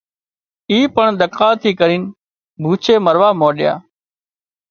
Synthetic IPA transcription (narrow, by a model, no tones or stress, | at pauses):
iːpəɳɗ̪əkaːt̪ʰiːkəɾiːn | bʱuːt͡ʃʰeːməɾʋaːmoːɗɪja̰ː